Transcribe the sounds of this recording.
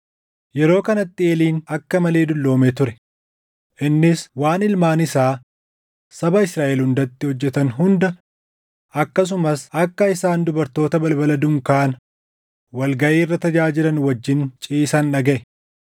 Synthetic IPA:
jɛɾo̞ːkɐnɐt̪ːɪeːliːnɐkːɐmɐle̞ːd̪ʊlːo̞ːmet̪ʊɾɛ | ʔɪnːɪswaːnɪlmaːnɪsaː | sɐbɐɪsɾaːʔelhʊnd̪ɐt̪ːɪhɔd͡ʒːɛt̪ɐnɦʊnd̪ɐ | ɐkːɐs̬ʊmɐsɐkːɐɪsaːnd̪ʊbɐɾt̪o̞ːt̪ɐbɐlbɐlɐd̪ʊŋkaːnɐ | wɐlɡɐʔeːɪrːɐt̪ɐd͡ʒaːd͡ʒɪɾɐnwɐd͡ʒːɪnt͡ʃʼiːsɐnᶑɐɡɛʔɛ

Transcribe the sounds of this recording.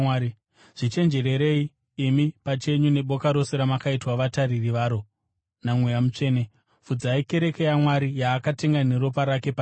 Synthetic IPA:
ʐ̥it͡ʃe̞nd͡ʒe̞ɾe̞ɾe̞i | imipat͡ʃe̞ɲune̞ɓo̞kaɾo̞seɾamakaitwaʋataririʋaːɾo̞ | namwejamut͡ʂe̞ːne | fud͡zaike̞ɾe̞ke̞jamwaɾijaːkate̞ŋɡane̞ɾo̞paɾake̞pa

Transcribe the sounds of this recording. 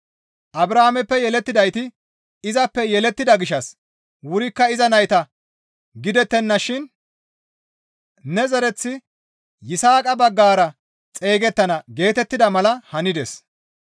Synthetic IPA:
ʔɐbɾaːmɛpːɛjɛlɛt̪ːɪd̪ɐjt̪ɪ | ɪzɐpːɛjɛlɛt̪ːɪd̪ɐɡɪʃɐs | wʊɾɪkːɐɪzɐnɐjt̪ɐ | ɡɪd̪ɛt̪ːɛnːɐʃɪn | nɛzɐɾɛt͡sːɪ | jɪsaːkʼɐbɐɡːaːɾɐ | t͡sʼe̞ːɡɛt̪ːɐnɐɡe̞ːt̪ɛt̪ːɪd̪ɐmɐlɐhɐnɪd̪ɛs

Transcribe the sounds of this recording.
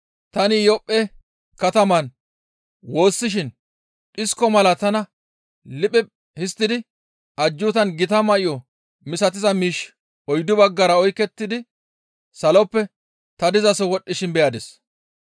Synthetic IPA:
t̪ɐnɪjɔpʼːɛ | kɐt̪ɐmɐn | wo̞ːsːɪʃ̬ɪn | ᶑɪskːɔmɐlɐt̪ɐnɐ | lɪpʼːɛ | hɪst̪ːɪd̪ɪ | ʔɐd͡ʒːʊt̪ɐnɡɪt̪ɐmɐʔɪjɔ | mɪsɐt̪̬ɪzɐmiːʃ | ɔjd̪ʊbɐɡːɐɾɐɔjkːɛt̪ːɪd̪ɪ | sɐlɔpːɛ | t̪ɐd̪ɪzɐsɔwɔɗːɪʃɪnbɛjad̪ɛs

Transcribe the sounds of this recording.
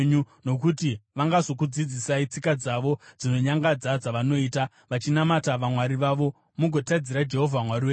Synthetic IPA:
ɲu | no̞kutiʋaŋɡazo̞k̬ud͡zid͡zisait͡sikad͡zaʋo̞d͡zino̞ɲaŋɡad͡zad͡zaʋano̞iːta | ʋat͡ʃinamataʋamwaɾiʋaʋo̞ | muɡʱo̞tad͡ziɾad͡ʒe̞ɦo̞vʱaamwariweː

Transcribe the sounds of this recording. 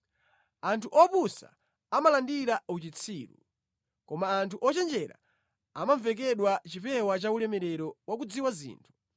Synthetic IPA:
antʰuʔɔpusa̰ | amalandiɾaut͡ʃit͡sʰiːɾṵ | kɔmaːntʰuʔɔt͡ʃɛnd͡ʒɛɾa̰ | amaɱvɛkɛɗwat͡ʃipɛwat͡ʃaulɛmɛɾɛɾɔwak̬ud͡ziwazḭːntʰu̥

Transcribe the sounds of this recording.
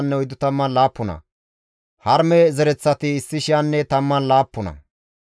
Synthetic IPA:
nːɛɔjd̪ʊt̪ɐmːɐnlaːpːʊnɐ̰ | hɐɾmɛzɛɾɛt͡sːɐt̪ɪːsːɪʃɪjanːɛt̪ɐmːɐnlaːpːʊnɐ̰

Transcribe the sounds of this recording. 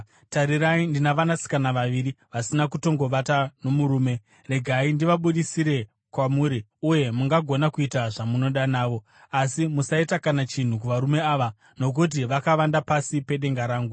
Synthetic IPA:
taɾiɾaindinaʋanasi̥kanaʋaʋiɾiʋasinakuto̞ŋɡo̞ʋatano̞muɾuːme̞ | re̞ɡʱaindiʋaɓuɗisiɾe̞ | kwamuːɾi | uje̞muŋɡaɡʱo̞nakuitaʐamuno̞ɗanaːʋo̞ | asimusaitakanat͡ʃin̤uk̬uʋaɾume̞aːʋa | no̞k̬ut̬iʋakaʋandapasipe̞ɗe̞ŋɡaɾaːŋɡu

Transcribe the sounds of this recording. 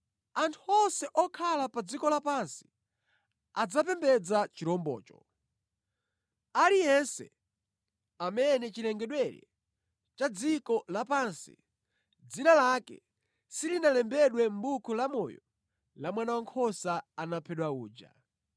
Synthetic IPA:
antʰuɔsɛʔɔkʰalapad͡zikɔlapansi̥ | ad͡zapɛmbɛd͡zat͡ʃiɾɔmbɔ̰ːt͡ʃɔ | aɾijɛnsɛ̰ | amɛnɛt͡ʃilɛŋɡɛɗwɛɾɛ̰ | t͡ʃad͡zikɔlapansḭ | d͡zinalakɛ̰ | silinalɛmbɛɗwɛm̩bukʰulamɔ̰jɔ | lamwanawaŋkʰɔsaːnapʰɛɗwauːd͡ʒa̰

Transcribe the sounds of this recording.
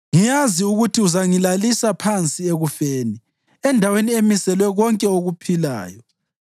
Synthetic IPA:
ŋijaziuɣutʰiuzaŋilalisapʰant͡sʼieɣufeːni | ɛndʱaweniemisɛlwɛɣɔŋkʼɛoɣupʰila̰ːjɔ

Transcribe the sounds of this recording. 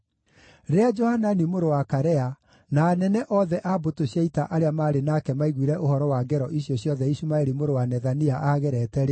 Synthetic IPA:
ɾead͡ʒɔhananimoɾowakaɾɛa | naːnɛnɛʔɔðɛʔabotoɕjaitaʔaɾeamaːɾenakɛmaiɣwiɾɛʔohɔɾɔwaɡɛɾɔʔiɕijɔɕjɔðɛiɕumaeɾimoɾowanɛðaniaʔaɣɛɾɛtɛɾe

